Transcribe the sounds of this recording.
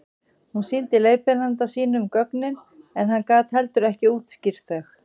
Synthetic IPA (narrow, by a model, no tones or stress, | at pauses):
hunsint̪ɪleːjpɪnant̪asiːnʏmkœknɪn | ɛnɦankaːt̪hɛlt̪ʏɾɛhcɪuːt̪scɪɾ̥t̪œx